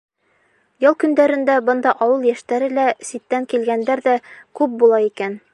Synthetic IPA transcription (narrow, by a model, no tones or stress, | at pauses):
jɤlˠkɵ̆nd̪æɾɘ̆nd̪æbɤ̆nd̪ɑʔɒwɤlˠjæʃt̪æɾɘlæsit̪ːæŋkilɡænd̪æɾðækʉp̚bulˠɑikæn